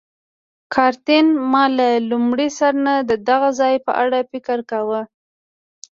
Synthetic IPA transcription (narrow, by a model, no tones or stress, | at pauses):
kʰɑɾt̪ɪnmɑlalumɽisaɾnad̪əd̪aɣazɑjpə̰ʔaɽafɪkəɾkawə